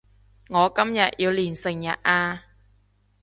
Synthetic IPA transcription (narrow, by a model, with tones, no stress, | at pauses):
ŋɔː˨˧kɐ˥mjɐ˨t̚jiː˧wliː˨˩nsɪ˨˩ŋjɐ˨t̚ʔaː˧